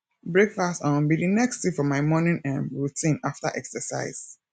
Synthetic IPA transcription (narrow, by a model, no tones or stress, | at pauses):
bɹekfastɔ̃nbidinɛkstifɔmaɪmɔnĩnãnɹutʰĩnaftə̰ʔɛ̰ksəsa̰ɪz̥